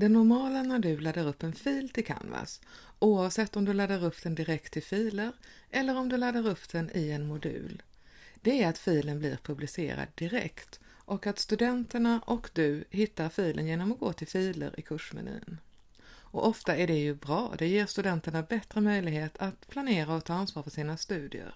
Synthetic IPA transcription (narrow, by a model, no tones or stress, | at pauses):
d̪̥ɛnːʊɾmɑːlanad̪ʉ̟lad̪ːəɾɵpːɛnfiːlt̪ʰɪlkʰa̰nva̰sʔuːavsɛt̪ːɔmd̪ɵlad̪ːəɾɵpːd̪ɛnd̪ɪɾɛkt̪ʰːɪlfiːləɾ | ʔɛlːəɾɔmd̪ɵlad̪ːəɾɵpːd̪̥ɛnɪɛnmʊd̪ʉ̟̰ːl | d̪̥ɛæɾat̪fiːlənblɪ̰ɾpʰɵblɪsḛːɾa̰d̪ːɪɾɛ̰kt̪ | ʔɔkat̪st̪ɵd̪ɛnt̪əɳaʔɔkd̪ɵhɪt̪ːaɾfiːlʔə̰njeːnɔmɔɡoːt̪ʰɪlfiːlə̰ɾʔɪ̰kʰɵʂmɛ̰ny̟̰ːə̰n | ɔʔɔft̪aæɖɛjɵbɾɑ̰ːd̪ɛjeːɾst̪ɵd̪ɛnt̪əɳabɛt̪ɾəmœjlɪɡheːt̪ʰat̪pʰlaneːɾaɔkt̪ʰɑːansvɑːɾfœʂiːnast̪ʉ̟ːd̪ɪ̰ə̰ɾ